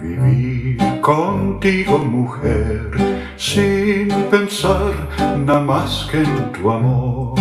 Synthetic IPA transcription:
vḭviɾkont̪iɡomuxɛɾ | sinpensaɾ | namasket̪uamo

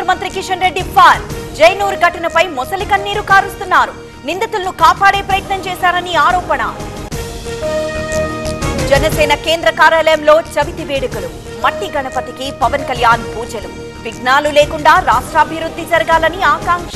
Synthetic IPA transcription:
ɐmɐnt̪ɾikiʂɐnɾe̞ɖːipʰaːɾd͡ʒɐjnuːɾɡɐʈinɐpɐjmɔsɐlikɐnːiːɾukaːɾust̪unːaːɾu | nind̪ɐt̪ulɐnukaːpaːɽeːpɾɐjɐt̪nɐmt͡ʃɛːsaːɾɐniaːɾoːpɐnɐ̰ | d͡ʒɛnɐsɛːnɐkeːnd̪ɾɐkaːɾjaːlɐjɐmlo̞ːt͡ʃɐʋit̪iʋeːɽɐkulu | mɐʈːiɡɐɳɐpɐt̪ikipɐʋɐnkɐljaːnpuːd͡ʒɐlu | piɡnaːlule̞ːkuɳɖaːɾaːʂʈɾɐːbʱiɾud̪ːid͡ʒɐɾɐɡaːlɐniaːkaːŋkʂɐ

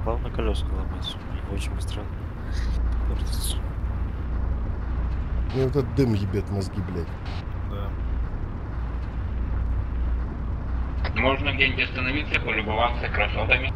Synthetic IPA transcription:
palˠnəkɐlʲosklˠɐbasʲʊot͡ɕɪnʲbɨst̪ɾanːə | port̪ʲɪ̥t̪sə̥ | nʲeɛt̪ət̪̚d̪ɨmjɪbʲet̪mɐzɡʲiblʲætʲ | d̪a | moʐnəvdʲenʲɡʲɪɐst̪ənɐvʲit̪səpəlʲʊbɐvat̪səkɾɐsot̪ɐmʲɪ

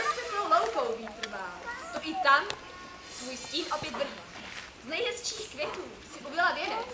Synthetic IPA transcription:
oʃsɛznowlowkowviːt̪r̩vaːlt̪oʔɪt̪am | svuːjsciːnʔopjɛt̪vr̩ɦiː | znɛjɦɛst͡ʃiːxkvʲjɛt̪uːsɪʔubɪlavjɛnɛt͡s

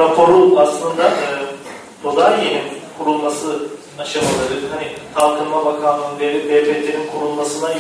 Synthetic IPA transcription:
apʰo̞ɾuaslˠɯnd̪aɯː | bʰozaɾjeninkʰuɾulˠmasɯ | aʃamalˠaɾɯhanit̪ʰalˠt̪ʰɯɾmabakʰanɯɯnvelʲibeːpʰeːt̪ʰeɾinkʰuɾulˠmasɯna

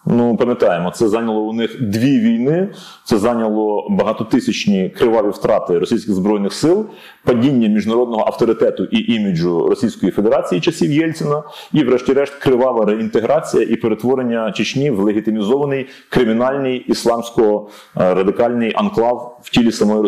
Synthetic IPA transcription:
nupɐmʲjɐt̪ɑjemɔt̪sɛzɑnʲɐlˠɔʊnɪxd̪ʋʲiʋʲijnɪ | t̪sɛzɑnʲɐlˠɔbɐɦɑt̪ɔt̪ɪsʲɐt͡ʃnʲikɾɪʋɑʋʲiwt̪ɾɑt̪ɪɾɔsʲijsʲkʲɪɣzbɾɔjnɪxsɪlˠ | pɐdʲinʲːɐmʲiʒnɐɾɔd̪̚nɔɦɔʔɐwt̪ɔɾɪt̪ɛt̪ʊʔiʔimʲid͡ʒʊrɔsʲijsʲkɔjifed̪eɾɑt͡sʲijit͡ʃɐsʲiwjɛlʲt̪sʲɪnɐiʋɾɛʃtʲiɾɛʃt̪ʲkɾɪʋɑʋɐɾeint̪eɦɾɑt͡sʲijɐʔipeɾet̪ʋɔɾenʲːɐt͡ʃɪt͡ʃʲnʲiwlˠeɦʲit̪ɪmʲizɔʋɐnɪj | kɾɪmʲinɑlʲnɪjislˠɑmsʲkɔɔ | ɾɐd̪ɪkɑlʲnɪjʔɐnklˠɑwwtʲilʲisɐmɔji

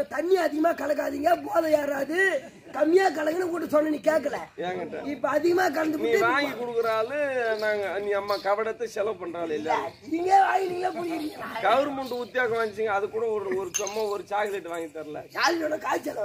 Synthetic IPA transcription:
ɐt̪ɐnːɪjaːðɪɣɐmaːkɐlɐkːaːðiːŋɡɐpoːðɐjaːɾaːðɯ | kɐmːɪjaːk̬ɐlɐŋɡɐnɐkuːʈːɯsɔnːɐniːkeːkːɐɭɐeːŋɡɐʈːɐ̰ɪpːoːɐðɪɣɐmaːk̬ɐɽɐnd̪ɯpːɯʋaːŋɡikɔɽɯkːɯɾaːlɯnaːŋɡɐnĩːɐmːaːkɐʋɐɽɐt̪ːɐsɛlɐʋpɐɳːɾaːlɪlːɐɪŋɡeːʋaːŋɡɪniːŋɡɐlaːpʊɽɪjɪɾɯŋɡɐkɐʋɾɯmʊɳɖɯʊt̪ːɪjaːsɐ̃ʋaːŋd͡ʒɪt͡ʃːɯŋɡɐːðɯkːuːɽɐɔɾɯɔɾɯpɐmːaɔɾɯt͡ʃaːkɪleʈːɯʋaːŋɡit̪ːɐɾlɐ̰saːllonːɐkaːt͡ʃːɛlɐ

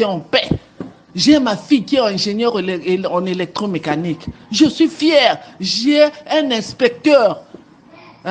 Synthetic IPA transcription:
ɛɑ̃pɛ | ʒɛmafijkiɛɛ̃ʒeɲœʁeɑ̃nelɛk̚t̪χõmekanikʒəsɥifjɛʁʒiɛɛ̃nɛ̃spɛk̚t̪œʁ

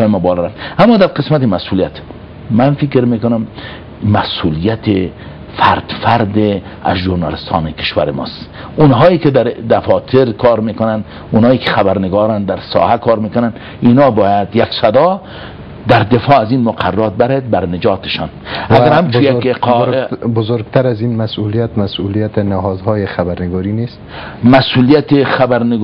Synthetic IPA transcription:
jemɔbɒːlɔɾaft̪amːɒːd̪æɾqesmat̪emasulijat̪ | mænfikɾmekonam | mæsulijat̪ʰe | faɾd̪fæɾd̪e | a̰zʒuɾnɑ̰lest̪ʰɒ̰ːnekʰe̥ʃwæ̰ɾemɒ̰st̪ʊnɦɒːiked̪æɾd̪afɒːt̪ʰeɾkʰɒɾmekʊnan | unhɒːikʰe̥xabæɾneɡɒːɾand̪æɾsɒ̰ːhakʰɒːɾmekonan | inɒːbɒːjad̪jaksad̪ɒ | d̪aɾd̪efɒːazinmʊqʰarːɒt̪̚baɾed̪̚baɾned͡ʒɒːt̪e̥ʃɒnaɡaɾhamt͡ʃujaeqːbʊzoɾɡt̪ʰaɾazinmasulijat̪masulijat̪ɪnɪɦɔd̪hɔːjexabaɾnɪɡɔɾinest̪masulijat̪exabaɾnɪɡ

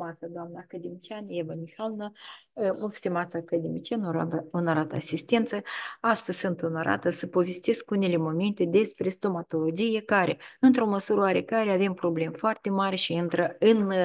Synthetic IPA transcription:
mat̪səd̪oamnakad̪emit͡ʃanjevamixalnamulˠt̪sʲt̪imat̪sakad̪emʲit͡ʃanɾaunaɾat̪əasist̪e̞nt̪səast̪əzʲsɨnt̪unaɾʔa̰t̪əsəpo̞ve̞st̪e̞skunele̞mo̞ment̪e̞d̪e̞spɾe̞st̪o̞mat̪o̞lo̞d͡ʒije̞kaɾe̞ɨnt̪ɾo̞məsuɾəaɾe̞kaɾeave̞mpɾo̞ble̞mfoart̪e̞maɾʲeʃiɨnt̪ɾəɨn

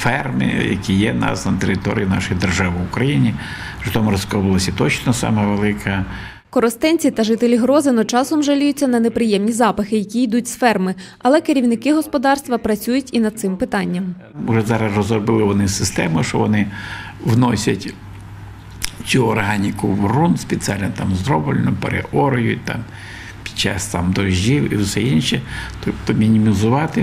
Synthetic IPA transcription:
fɛrmɪ̰jɐ̰kʲijɛnɑ̰snɐt̪eɾɪt̪ɔɾʲijinɑ̰ʃʊjd̪erʒɑʋɪʊkɾɐjinʲi | pɾɪt̪ɔmʊɾɔskɔbɐlˠɔsʲɐt̪ɔt͡ʃnɔsɑ̰mɛʋelˠɪkʰɐ | kɔɾɔst̪ɛnʲt͡sʲit̪ɐʒɪt̪elʲiɦɾɔzɪnɔt͡ʃɑsɔmʒɐlʲujʊt͡sʲːɐnɐnepɾɪjɛmnʲizɑpɐxɪjɐkʲijd̪ut̚ʲsfɛrmɪ | ɐlˠɛkeɾʲiwnɪkɪɦɔspɔd̪ɑrst̪ʋɐpɾɐt͡sʲujʊtʲinɐd̪̚t̪sɪmpɪt̪ɑnʲːɐm | ʊʒɛzɑɾɐsrɔzɔbɪlˠɪʋɔnɪsɪst̪ɛmʊʃt͡ʃɔʋɔnɪʋnɔsʲɐtʲ | t͡s̪ʲuɔrɦɑnʲikʊʋrunspʲet͡sʲialʲnɔt̪ɑmzd̪ɾɔbɪlʲnʊpḛɾḛʔɔɾɔjʊ̰t̚ʲt̪a̰m | pʲi̥t͡ʃɑ̰st̪ɑmd̪ɔʒʲiwiwsɛinʃit̪ɔpt̪ɔmʲinʲimʲizʊʋɑt̪ɪ

